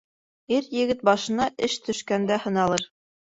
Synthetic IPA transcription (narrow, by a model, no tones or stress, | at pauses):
iɾjɘ̆ɡɘt̪̚bɑʃɤ̆nɑʔɘʃt̪ʰɵ̆ʃkænd̪æhɤ̆nɑlˠɤɾ